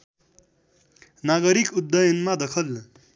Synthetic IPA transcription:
naɡʌɾikud̪ːʌjʌnmad̪ʌkʰʌl

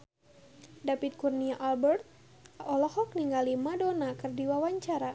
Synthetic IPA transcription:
dapit̪̚kurniaʔalbɛrt̪̚ | ɔlɔhɔk̚niŋɡalimadonakɨrdiwawaɲt͡ʃaɾa

